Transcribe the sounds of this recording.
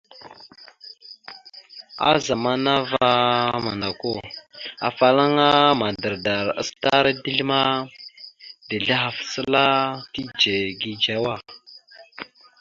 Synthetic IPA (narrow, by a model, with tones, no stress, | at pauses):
a̰˦za˨ma˦na˦va˦ma̰˨na˨ko˦˨a̰˨fa˨la˦ŋa˦ma˨də˨ɾda˨ɾa̰˦sta˦ɾa˦di˦ɮi˦ma˦ | di˨ɮi˦ɦa˨fsə˦la˦ti˦d͡ʒe˨ɡi˦d͡ʒa˦wa˦˨